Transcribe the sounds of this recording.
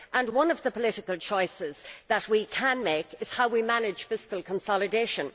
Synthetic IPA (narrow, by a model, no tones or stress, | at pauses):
ʔə̃nwʌ̃nʌvðəpʰəlɪɾɪkəlˠt͡ʃʰɔɪsɪz̥ðət̚wikʰə̃nmeɪkɪz̥haʊwimanɪdd͡ʒ̥fɪskəlˠkʰə̃nsɑlˠɨdeɪʃə̃n